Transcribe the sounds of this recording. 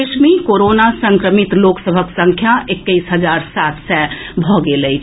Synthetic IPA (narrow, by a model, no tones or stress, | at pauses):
ɪʃmikoːɾoːnasə̃ŋkɾəmit̪loːksəbʱəksə̃ŋkʰjaekːəisɦəd͡ʒaːɾsaːt̪sɛbʱɔɡeləi